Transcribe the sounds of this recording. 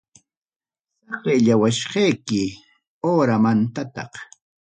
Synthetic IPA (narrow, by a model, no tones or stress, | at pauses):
sɑqeʎawaʃqɑjkɪ | oːɾamant̪at̪ɑ̰q